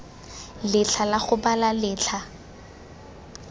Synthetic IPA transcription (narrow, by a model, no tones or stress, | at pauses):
lɪt͡ɬʰalaχʊbalalɪːt͡ɬʰa